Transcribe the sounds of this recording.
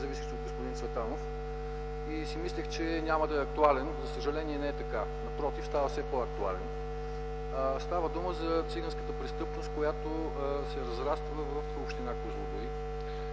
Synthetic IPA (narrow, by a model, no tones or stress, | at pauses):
zɐvisixsɛod̪ɡospʊd̪insvɛt̪anof | isimislixt͡ʃɛnʲaməd̪ɐɛɐk̚t̪ualɛnzɐsəʒɐlɛniɛnɛɛt̪ɐka | nɐpɾɔt̪ifst̪avɐfsɛpoɐk̚t̪ualɛn | st̪avəd̪uməzɐt̪siɡənskət̪əpɾɛst̪ɤpnost̪̚kojat̪o | sɛɾɐzɾast̪vəvəfopʃt̪ɛnakusnod̪ʊi